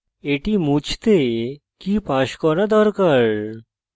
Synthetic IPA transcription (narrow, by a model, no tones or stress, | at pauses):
eʈimut͡ɕʰt̪e | kipaɕkɔɾad̪ɔɾkaɾ